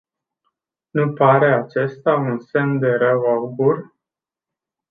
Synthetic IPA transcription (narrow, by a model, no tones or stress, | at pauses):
nupaɾe̞at͡ʃe̞st̪aunse̞md̪e̞ɾəwawbur